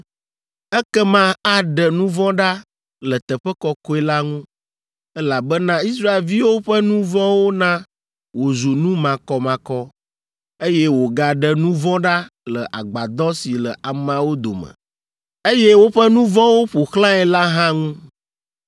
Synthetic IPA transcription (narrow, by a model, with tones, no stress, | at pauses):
ɛ˦kɛ˦mã˦a˦ɖə˨nũ˦vɔ̃˦ɖa˦ | lə˨t̪ə˨ɸɛ˦kɔ˦ko˦ɛ˦la˦ŋũ˦ | ɛ˦la˨bɛ˦nã˦i˦sɾa˦e˨lvi˦wo˦ɸə˦nũ˦vɔ̃˦wo˦nã˦ | wo˨zu˨nũ˦mã˨kɔ˨mã˨kɔ˦ | e˦jɛ˦wo˨ɡa˨ɖə˨nũ˦vɔ̃˦ɖa˦lə˨ʔa˨ɡ͡ba˨d̪ɔ̃˦si˨lə˨a˨mã˨wo˦d̪o̰˨mə̰̃˨ | e˦jɛ˦wo˦ɸɛ˦nũ˦vɔ̃˦wo˦ɸo˨xlã˦ɛ˨la˦ɦã˦ŋũ˦